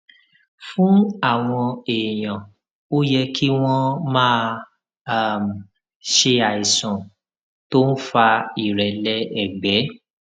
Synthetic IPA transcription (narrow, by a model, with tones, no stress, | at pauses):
fũ˨˦a˦˨w̃ɔ̃˧eː˨j̃ã˨ | o˦jɛ˧kʰi˦w̃ɔ̃˦mãː˦˧ | a˦˨m˨ | ʃe˧a˨i˨sɔ̃˨ | to˦n̩˦fa˧i˨ɾɛ˨lɛ˧˦ɛ˨ɡ͡bɛ˨˦